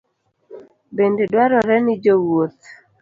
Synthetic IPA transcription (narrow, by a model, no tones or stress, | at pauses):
bendedwaɾɔɾɛnɪd͡ʒowot̪̚